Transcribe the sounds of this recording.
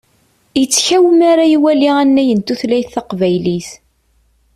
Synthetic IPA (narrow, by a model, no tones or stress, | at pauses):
jət͡sːçæwəmaɾajiwæliʁænːæjənt̪uθlæjθθɑqvæjliθ